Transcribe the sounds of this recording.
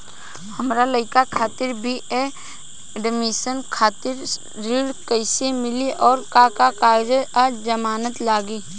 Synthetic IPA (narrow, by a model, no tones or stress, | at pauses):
həmɾaləɪkakʰaːt̪ɪɾbʱie | ɖɪmɪsənkʰaːt̪ɪɾː | iːlkəɪsemɪliʔɔːɾkakakaːd͡ʒəad͡ʒəmaːnət̪laːɡiː